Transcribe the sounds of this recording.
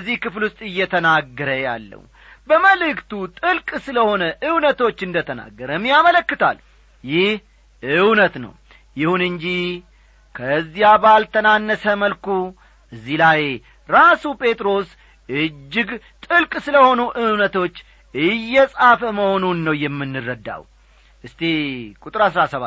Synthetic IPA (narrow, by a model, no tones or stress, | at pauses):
zːihkɨflwʊst̪ʼɨjːɛt̪ʰənaɡːəɾəja̰lːə̰w | bəməlɨkt̪ut̪ʼɨlkʼsɨləho̞nəʔɨwnət̪o̞t͡ʃːɨnd̪ət̪ʰəna̰ɡːəɾəmːijamələkːɨt̪ʰa̰l | jɪh | ɨwnət̪nə̰w | jɪhunɨɲd͡ʒi | kʰəzːijabalt̪ʰənanːəsəməlku | ɨzːilaj | ɾasupʼe̞t̪ʼɾo̞s | ɨd͡ʒːɪɡ | t̪ʼɨlkʼsɨləho̞nuʔɨwnət̪ʰo̞t͡ʃː | ɨjːɛsʼafəməho̞nunːəwjɛmːɨnːɨrːəd̪ːa̰w | ʔɨst̪ʰekʼut̪ʼɨɾasɾasəβa̰